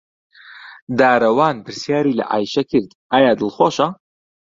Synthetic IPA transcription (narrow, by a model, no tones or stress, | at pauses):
d̪aːɾɐwaːnpɨɾsjaːɾiːlɐ̰ʔa̰ːjʃɐkʰɨɾd̪ | aːjaːd̪ɨlˠxwoːʃɐ